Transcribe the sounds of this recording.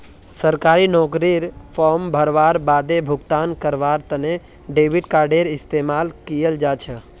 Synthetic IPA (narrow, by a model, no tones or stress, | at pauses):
səɾkaːɾinɔːkɾiɾpʰɔːɾmbʱəɾʋaːɾbaːd̪ebʱʊɡt̪aːnkəɾʋaːɾt̪əne | ɖeːʋiɖkaːɾɖeɾɪst̪eːmaːlkijəld͡ʒaːt͡ʃʰə